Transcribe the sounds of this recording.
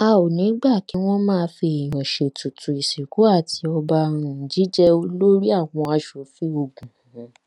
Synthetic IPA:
a˧o˨nĩ˨˦ɡ͡ba˦˨kĩ˨˦w̃ɔ̃˦mãː˦˧fi˧i˨j̃ã˨ʃe˨tu˨tu˨i˨si˨ku˨˦a˦˨tʰi˧ɔ˧ba˧ɾ̃ũ˧˦d͡ʒi˦d͡ʒɛ˦o˧lo˦ɾi˦a˦˨w̃ɔ̃˧a˧ʃo˨˦fi˦o˧ɡũ˨ũ˨˦

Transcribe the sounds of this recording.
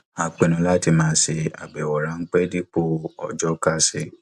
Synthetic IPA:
a˨k͡pe˨nũ˨˧˦la˦ti˧mãː˨˧˦se˧a̰˨ɡ͡bɛ˨wɔ˨ɾã˧˦ŋ̩˦k͡pɛ˦di˦k͡po˦ɔ̰˨d͡ʒɔ˦ka˦se˧

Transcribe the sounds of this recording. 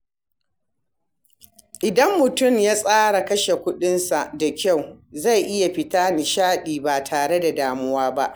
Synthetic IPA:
ʔɪ˨dɐ˦mːʊ˨tʊ˦˨mjaː˦sʼaː˦ɽa˨kɐ˦ʃe˨kʷʊ˦ɗɪ˦nsa˨da˨kʲa˦˨wza˦˨jʔɪ˦ja˨ɸɪ˦taː˦nɪ˨ʃaː˦ɗiː˨ba˨tʰaː˨ɽe˦da˨daː˨mʊ˦waː˦ba˦ʔ

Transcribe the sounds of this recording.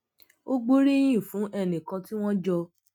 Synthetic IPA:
o˦ɡ͡bo˦ɾi˦j̃ĩ˦˨fũ˨˦ʔɛ˦˨nĩ˨kã˧ti˦w̃ɔ̃˦d͡ʒɔ˧

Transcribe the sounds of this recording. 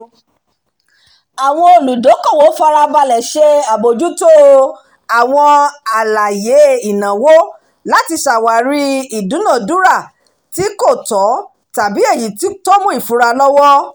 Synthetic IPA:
a˨w̃ɔ̃˧o˧˨lu˨do˨˦kã˦˨wo˨˦fa˧ɾa˧ba˧lɛ˨ʃe˦a˨bo˨d͡ʒu˦to˦ | a˨w̃ɔ̃˧a˨la˨je˨˦i˨nã˨wo˦ | la˦ti˧ʃa˨wa˨ɾi˦i˨dũ˨˦nã˦˨du˨˦ɾa˦˨ | ti˦ko˦˨tɔ˨˦ | ta˨bi˨˦e˦˨ji˨˦ti˦tɔ˦mũ˦i˦˨fu˨˦ɾa˧lɔ˦wɔ˦

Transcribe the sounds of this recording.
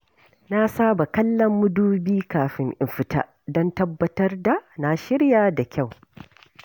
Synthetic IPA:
na˦saː˦ba˨kɐ˦lːɐ˦mːʊ˦duː˦biː˦kaː˨ɸɪ˦ŋʔɪ˨mɸɪ˨ta̰ː˦ | dɔ˦ntɐ˦bːɐ˦tɐ˦rda˨na˨ʃɪ˦ɽjaː˦˨da˨kʲa˦˨w

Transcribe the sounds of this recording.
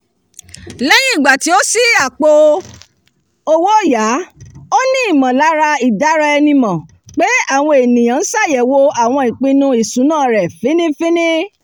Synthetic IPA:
lɛ˦j̃ĩ˦i˦˨ɡ͡ba˨ti˨˦o˦si˦a˨k͡po˧ | o˦wo˦˨ja˨˦o˦nĩ˦i˦˨mã˨la˨˦ɾa˧i˨da˨˦ɾa˧ɛ˧nĩ˧mã˨ | k͡pe˦a˦˨w̃ɔ̃˧e˨nĩ˨j̃ã˨˦n̩˦sa˦˨jɛ˨wo˧a˦˨w̃ɔ̃˧i˨k͡pĩ˧nũ˧i˨sũ˨˦nãː˦˨ɾɛ˨fĩ˨˦nĩ˦fĩ˦nĩ˦

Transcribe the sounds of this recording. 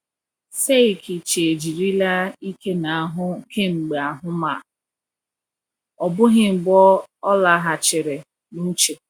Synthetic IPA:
se˦˨kʰi˨t͡ʃe˨e˨d͡ʒi˨ɾi˦la˦i˦ke˦na˨a˦˨ɦʊ˦ke˦ŋ͡m̩˨ɡ͡be˨a˨ɦʊ˦ma˨ | ɔ˨bʊ˦ɦɪ˦˨bɔ˦ɔ˦la˨˦ɦa˨t͡ʃɪ˨ɾe˨ | nu˦t͡ʃe˨

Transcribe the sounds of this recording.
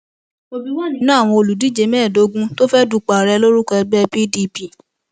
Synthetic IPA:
o˧i˦wnã˦a˦˨w̃ɔ̃˧o˧lu˨di˨˦d͡ʒe˧mɛː˦˨do˧˦ɡũ˦to˦fɛ˦du˨˧k͡pa˨ɾɛ˧˦lo˦ɾu˦kɛ˧ɡ͡bɛ˦pi˦di˧˦pi˦˨

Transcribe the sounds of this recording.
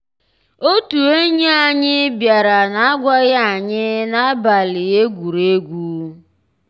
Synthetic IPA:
o˦tu˨e˦ɲe˦a˨ɲɪ˦bja˨ɾa˨na˦a˦ɡʷa˦ɣa˦a˨ɲɪ˦na˦ba˨lɪ˨e˦ɡʷu˨ɾe˦ɡʷuː˦

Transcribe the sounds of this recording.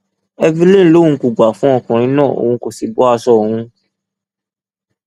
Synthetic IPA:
ɛ˧vi˦lẽ˦˨˦lo˦˨ũ˧ku˨ɡ͡ba˨fũ˦ɔ˦˧˨kã˨ɾ̃ĩ˧˦nãː˦˨ʔo̰˨wũ˧ko˨si˨bɔ˦a˦˧sɔ˦˨ũ˧

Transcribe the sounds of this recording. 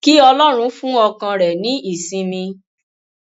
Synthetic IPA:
ki˦ɔ˧lɔ˦ɾ̃ũ˧˦fũ˦ɔ˧kã˧ɾɛ˨nĩ˨˦i˦˨sĩ˧mĩ˧

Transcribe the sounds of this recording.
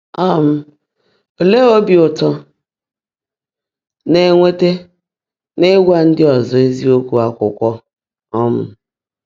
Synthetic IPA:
a˦m̩˦ | o˨le˦o˦bi˨ʊ˨tɔ˦ | ne˨ŋʷe˦te˦ | ne˦ɡʷa˦n̩˦dɪ˦ɔ˨zɔ˨e˦zi˦o˦kʷu˨a˦kʷʊ˨kʷɔ˦ | ɔ˦m̩˨

